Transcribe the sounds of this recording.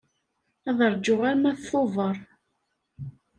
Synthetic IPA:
æðəɾˤd͡ʒʊʁaɾmæθθovˤəɾˤ

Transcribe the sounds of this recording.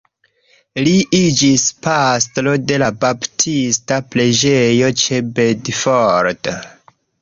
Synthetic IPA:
liʔid͡ʒispastlo̞de̞labaptʰistaple̞d͡ʒe̞jo̞t͡ʃe̞bedfoɾt

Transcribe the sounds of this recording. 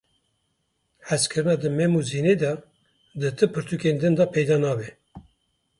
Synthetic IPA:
hɛskʰɨɾɨnɑːd̪ɨmɛmuzined̪ɑ | d̪ɨt̪ʰɨpʰɨɾt̪ʰukend̪ɨnd̪ɑpʰɛjd̪ɑːnɑːbɛ

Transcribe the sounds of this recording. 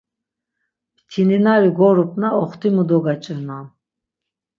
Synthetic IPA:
pt̪ʰininawiɡɔɾupʰnaɔχt̪ʰimud̪ɔɡat͡ʃʼɛna

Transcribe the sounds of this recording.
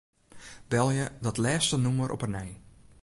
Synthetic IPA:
bɛlˠjədɔtlɛːstənuməɾʔɔ̰pənɛj

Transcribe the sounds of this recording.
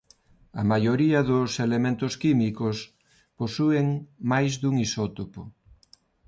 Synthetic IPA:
ɐmajoɾiaðoselemẽnt̪oskimikos | posueŋmajzðuŋisot̪opo

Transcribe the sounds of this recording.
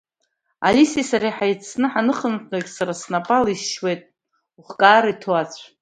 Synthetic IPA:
a̰lisisaɾiħajt͡sʰnɨħanɨχəntakʲʼsaɾasnapʼalisʃwejtʼ | uχkʼaːɾaitʰoat͡sʷʰ

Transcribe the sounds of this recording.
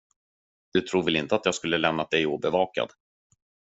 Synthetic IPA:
d̪̥ɵt̪ʰɾuːvɪlɪnt̪əat̪jɑːɡskɵlːəlɛmnad̪ɛjuːbɛvɑːka̰d̪

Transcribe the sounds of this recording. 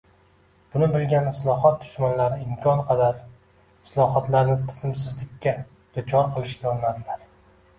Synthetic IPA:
b̥ʊnɪbɪlɡʲanɪslˠɒɦɒt̪̚ːʊ̥ʃmanlaɾɪɪmkʲʰɒnqʰɑd̪aɾ | ɪslˠɒɦɒt̪laɾnɪt̪ʰɪ̥zɪmsɪzlɪkʲːa | d̪̥ʊt͡ʃʰɒɾqʰɨlˠɪʃɡʲaɒnnad̪ɪlaɾ

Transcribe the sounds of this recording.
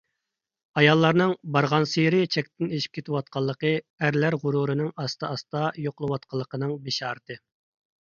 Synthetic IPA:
ɑjɑlˠːɑɾnɨŋbɑɾʁɑnsijɾɪt͡ʃʰɛkʲt̪ʰɪneʃi̥p̚kʲʰet̪ʰɪwɑt̪̚qʰɑlˠːəqə | æɾlæɾʁʊɾuɾɨnɪŋɑst̪ɑɑst̪ɑjoqəlˠɨwɑt̪̚qʰɑlˠːəqənɨŋbeʃɑːɾɨt̪ʰɨ

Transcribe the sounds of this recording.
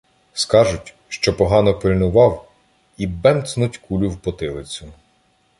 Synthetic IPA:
skɑʒʊtʲ | ʃt͡ʃɔpɔɦɑnɔpɪlʲnʊʋɑw | ibɛmt̪snutʲkulʲʊwpɔt̪ɪlˠɪt͡sʲʊ

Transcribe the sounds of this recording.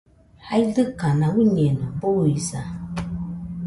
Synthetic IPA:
hajdɨkanãwuɲɛnɨbowisa

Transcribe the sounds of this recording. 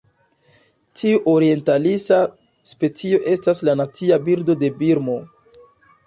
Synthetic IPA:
tiuʔo̞ɾie̞ntalisa | spe̞t͡sio̞ʔe̞staslanat͡siabiɾdo̞de̞biɾmo̞

